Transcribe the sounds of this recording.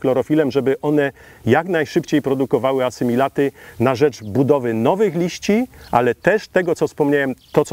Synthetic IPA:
klɔɾɔfʲilɛmʐɛbɘʔɔnɛ | jaknajʂɘpt͡ɕejpɾɔd̪ukɔvawɘasɘmʲilat̪ɘnaʐɛd͡ʐbud̪ɔvɘnɔvɘxlʲiɕt͡ɕia̰lɛt̪ɛʂt̪ɛɡɔt̪sɔfspɔmɲawɛmt̪ɔt̪s

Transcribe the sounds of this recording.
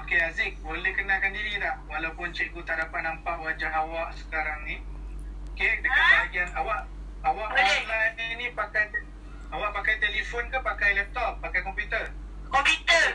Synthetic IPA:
okeazɪk̚bolɛhkənalkandiɾilahwalawpʊnt͡ʃeɡut̪aʔdapatʔ̪̚nampaʔwad͡ʒaŋawaʔsə̥kaɾaŋnĩokedəɡaaɡianawaʔ | awaʔalaainĩpakajt̪ | awaʔpakajt̪elifonkapakajlɛp̚t̪ɔp̚ːakajkɔmpjut̪ər | kɔmpjut̪ə

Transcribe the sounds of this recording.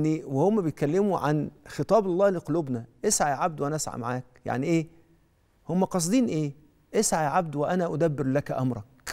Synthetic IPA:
niwehomːæbejet̪̚kælːemuʕa̰nxet̪ˤɑːbɑlˤːɑːhleqoluːbnæʔesʕaʕab̚d̪wʔænæʔæsʕa̰ma̰ʕaːk̚ja̰ʕniʔeː | homːæqɑs̬ˤd̪ˤiːnʔeː | ʔesʕaʕab̚d̪weʔænæʔʊd̪æbːɪɾlækʔɑmɾˤɑk̚

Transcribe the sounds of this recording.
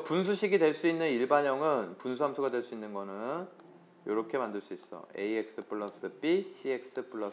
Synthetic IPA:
puns̬ʰuɕʰiɡidwe̞ɭs͈uinːɯniɭbaɲʌŋɯnpunsʰuamsʰuɡadwe̞ɭs͈uinːɯnɡʌnɯn | joɾʌkʰe̞mandɯɭs͈uis͈ʌ̰e̞̰iek̚s͈ɯpʰuɭːʌs͈ɯp͈iɕʰiek̚s͈ɯpʰuɭːʌ

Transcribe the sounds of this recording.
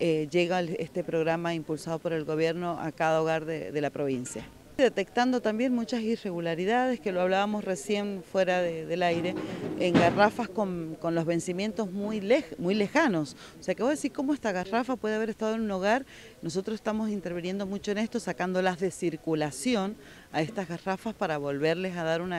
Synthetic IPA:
eʒeɣaest̪e̞pɾo̞ɣɾamaimpulsað̞o̞po̞ɾe̞lɣo̞β̞je̞ɾno̞ʔa̰kaðaoɣaɾðḛðe̞lapɾoβ̞insja̰ | ðe̞t̪e̞kt̪and̪o̞t̪ambje̞nmut͡ʃasire̞ɣulaɾiðað̞eskeloaβlaβamo̞sre̞sje̞nfwe̞ɾaðeðelajɾe̞eŋɡarafaskonko̞nlo̞zβe̞nsimje̞nt̪o̞zmujlemujlexano̞s | o̥seakeoðesiɾko̞moest̪aɣarafapwe̞ðeaβeɾe̞st̪að̞oenuno̞ɣ̞aɾ | no̞s̬o̞t̪ɾosest̪amos̬int̪e̞ɾβ̞inje̞nd̪o̞mut͡ʃoene̞st̪o̞sakand̪o̞lazðe̞siɾkulasjo̞n | aest̪azɣarafaspaɾaβo̞lβe̞ɾlesaðaɾuna

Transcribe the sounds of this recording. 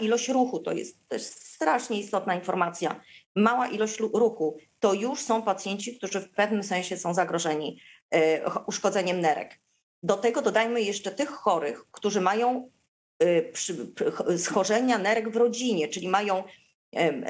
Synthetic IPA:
ilɔɕt͡ɕɾuxut̪ɔ̰jɛ̰st̪ːɔjɛsst̪ɾaʂɲɛist̪ɔt̪̚nainfɔɾmat̪sʲjamawaʔilɔɕt͡ɕɾuxut̪ɔjuʂsɔ̃w̃pat̪sʲjɛɲt͡ɕik̚t̪uʐɘfpɛvnɘmsɛ̃ñɕɛsɔ̃w̃zaɡɾɔʐɛɲi | ʔuʂkɔd̪zɛɲɛmnɛɾɛ̰k | d̪ɔt̪ɛɡɔd̪ɔd̪ajmɘjɛʂt͡ʂɛt̪ɘxːɔɾɘxkt̪uʐɘmajɔ̃w̃ | pʂ | sxɔʐɛɲanɛɾɛɡvɾɔd͡ʑiɲɛt͡ʂɘlʲimajɔ̃w̃

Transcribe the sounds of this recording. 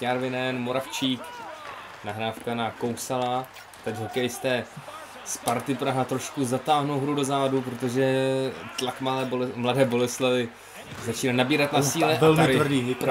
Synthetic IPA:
aɾvɪnɛnmo̞ɾaft͡ʃiːk | naɦɾaːfkanako̞wsala | t̪ɛcɦokɛjɪst̪ɛː | spaɾt̪ɪpɾaɦat̪ɾo̞ʃkuzat̪aːɦnowɦɾudo̞zaːvadup̬ɾo̞t̪o̞ʒɛt̪lakmamladɛːbo̞lɛslavɪ | zat͡ʃiːnanabiːɾat̪nasiːlɛʔaɛlaɪrdi

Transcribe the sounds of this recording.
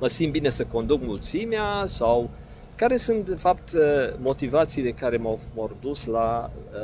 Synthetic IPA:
məsimbine̞səko̞nd̪uk̚mult̪simeasaw | kaɾe̞sunt̪d̪e̞fapt̪əmo̞t̪ivat̪sijle̞kaɾe̞mamord̪usla

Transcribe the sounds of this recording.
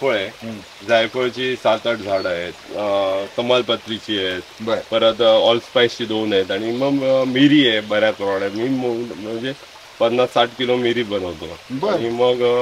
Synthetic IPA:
foɭe | d͡zajfəɭt͡ɕiːsat̪əʈd͡zʱaɽaɦet̪kəmalpət̪ːɾit͡ɕiːjet̪bpəɾət̪ɔlspajst͡ɕiːd̪onɦet̪aɽ̃iməɡmiɾijebəɾjakəɾoɽemiːməm̤əɳd͡ze | pəd̪nasːaʈkilomiɾiːbənəʋt̪əbniməɡ

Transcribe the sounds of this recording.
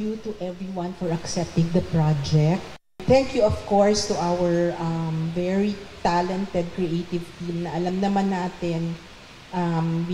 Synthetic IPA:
jut̪uʔɛvɹiwɐ̃nfɔɹɐksɛp̚t̪ɪ̃ŋd̪ɐpɹad͡ʒɛk̚t̪ | θɛ̃ŋkjuɔv̥koɹst̪uʔawɛɹʔɐmvɛɹit̪alɛnt̪ɛd̪̚kɹiʔet̪ɪvt̪imnɐʔɐlɐmnɐmanːaːt̪ɪn | ʔɐmb

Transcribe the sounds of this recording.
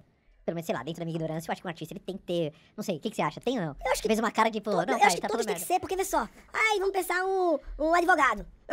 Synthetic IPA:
pelomẽnsejlad̪ẽt̪ɾd̪ɐmiɐɡinoɾɐ̃sjɐewaʃʊ̥kũaɾt͡ʃist̪ɐelɪt̪ẽj̃kɪ̥t̪enɐ̃w̃sejʊkɪkɪ̥seaʃɐt̪ẽj̃onɐ̃w̃ewaʃʊ̥kfejzũmɐkaɾɐt͡ʃipʊnɐ̃w̃ewaʃkɪt̪ap̪ostmẽkɪseɾpoɾkevesɔajvɐ̃mʊpẽsaɾũũad͡ʒivoɡad̪ʊ

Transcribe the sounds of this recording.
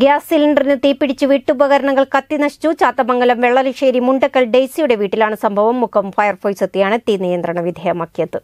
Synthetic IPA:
ɡjaːssilɐɳɖɐrinɨt̪iːpːiɽit͡ɕːuʋiːʈːubɐɣɐɾɐɳɐŋːɐɭkɐt̪ːinɐʂi̥t͡ɕːut͡ɕaːt̪ːɐmɐŋːɡɐlɐmʋeɭːɐlɐʂeːɾimuɳɖɐkːɐlɖejsijuɽe̞ʋiːʈːilaːɳɨsɐmbʱɐʋɐmːukʰːɐmfɐjɐrfoːjsɐt̪ːijaːɳɨt̪ːinijɐnd̪rɐɳɐʋid̪ʱejɐmaːkːijɐðɨ

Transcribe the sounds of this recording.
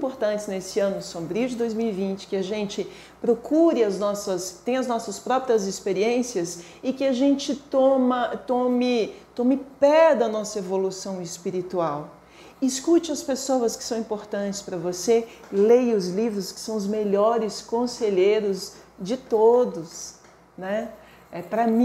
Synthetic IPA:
ĩmpoɾt̪ɐ̃nt͡ʃɪznesɪɐ̃nʊsõbɾiʊd͡ʒɪd̪ojzmiwivĩnt͡ʃɪ̥kɪaʒẽnt͡ʃɪ | pɾokuɾɪɐznɔsɐst̪ẽj̃ɐznɔsɐspɾɔpɾiɐzɪspeɾiẽsiɐs | ɪkɪaʒẽnt͡ʃɪt̪õmɐt̪õmɪt̪õmɪpɛd̪ɐnɔsɐevolusɐ̃w̃ɪspiɾit̪uaw | ɪskut͡ʃɪɐspesowɐskɪ̥sɐ̃w̃ĩmpoɾt̪ɐ̃nt͡ʃɪ̥spɾɐvose | lejʊzlivɾʊskɪ̥sɐ̃w̃ʊzmeʎɔɾɪskõseʎejɾʊzd͡ʒɪt̪od̪ʊs | nɛ | ɛpɾɐmĩ

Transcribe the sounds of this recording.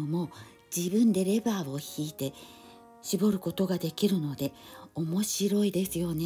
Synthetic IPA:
omo̞ | d͡ʑibɯ̟̃nd̪e̞ɾe̞baːo̞çiːt̪e̞ | ɕibo̞ɾɯ̟ko̞t̪o̞ɡad̪e̞kʲiɾɯ̟no̞d̪e̞ | omo̞ɕiɾo̞id̪e̞sɨjo̞ne

